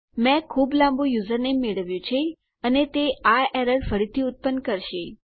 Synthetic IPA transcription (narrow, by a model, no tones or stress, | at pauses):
mɛ̃kʰublãmbũjuzəɾnemeɭəʋjũt͡ʃʰe | ənet̪eaɛɾəɾfəɾit̪ʰiʊt̪̚pənkəɾʃe